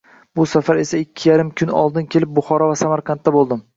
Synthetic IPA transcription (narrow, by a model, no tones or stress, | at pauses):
bʊsafaɾe̞saɪkʲʰːɪjaɾɪmkʰʊnɒ̰lˠd̪ɪnkʲʰe̞lɪp̚bʊχɒɾɒvasamaɾqʰɑnt̪ːabolˠd̪ɪm